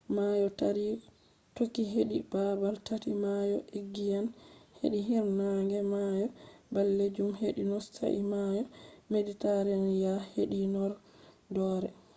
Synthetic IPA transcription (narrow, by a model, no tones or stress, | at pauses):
majɔtaɾi | tokːiɦeɗibabaltatimajɔʔeɡːijanhḛɗiɦiɾnaŋɡɛmajɔbalːed͡ʒumheɗinɔsta̰ʔimajɔmeditaɾanjaheɗinɔɾ | dɔːɾɛ